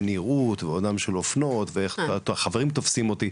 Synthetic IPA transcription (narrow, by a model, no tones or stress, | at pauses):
niʁut̪veodnamʃelofno̞t̪veeχt̪oaχaveʁimt̪o̞fsimo̞t̪i